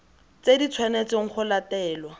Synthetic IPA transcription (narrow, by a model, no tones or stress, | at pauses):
t͡sedit͡sʰwanet͡sɪŋ̩χʰʊlatɛːlwa